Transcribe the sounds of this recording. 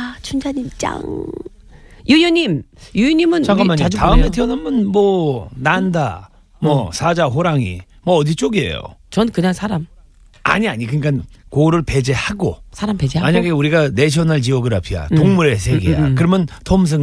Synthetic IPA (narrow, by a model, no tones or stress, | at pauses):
t͡ɕʰund͡ʑaɲit͡ɕ͈a̰ŋ | jujuɲimjujuɲimɯnaɡaɲad͡ʑutaɯmetʰeʌnamɯnmwʌnanda̰ | mwʌsʰad͡ʑaɦoɾaŋḭ | mʌːdit͡ɕ͈oɡiɦe̞̰jo̰t͡ɕʌnkɯɲaŋsʰaɾam | a̰ɲiaɲikɯɲik͈ankoɾɯɭpe̞d͡ʑehaɡosʰaɾamped͡ʑeamaɲaɡeuɾiɡane̞ɕʰʌnaɭt͡ɕiʌɡɯɾapʰia̰toŋmuɾesʰeɡḭa̰kɯɾʌmjʌntʰoms̬ʰɯŋ